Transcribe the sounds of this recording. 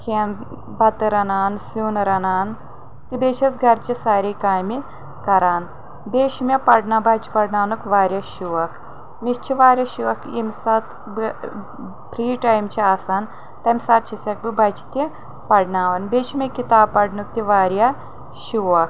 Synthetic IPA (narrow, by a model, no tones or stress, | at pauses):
kʰen | bɐt̪ɾɐnaːnsinɾɐnaːn | t̪ibeːt͡ʃʰɐsɡʱɐɾt͡ʃisaːɾiːkaːjmi | kɐɾaːn | beːʃimʲɐpɐɖnabaːt͡ʃi̥pɐɽnaːnukʋaːɾʲjɐʃuʋɐk | mist͡ʃʰiʋaːɾʲjɐʃiʋɐkimʲsat̪ | b | pɾiːʈaːjmt͡ʃiaːsaːn | t̪ɐmʲsaːt̪̚t͡ʃʰisʲɐk̚bibaːjt͡ʃi̥t̪i | pɐɽnaːʋɐnbeːʃʰimʲɐkit̪aːb̚pɐɖnuk̚t̪iʋaːɾjɐ | ʃuʋɐk